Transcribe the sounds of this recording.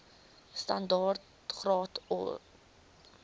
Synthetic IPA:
stɐndɑːrt | χrɑːtɔ̰

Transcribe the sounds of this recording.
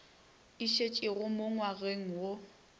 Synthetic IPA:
ɪʃet͡ʃʼɪrʊmoŋwaɣeŋ̩wo

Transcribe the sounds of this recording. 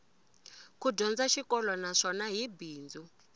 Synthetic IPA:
kudɔnd͡zaʃikɔlɔnaʂɔnaɦibiːnd͡zu

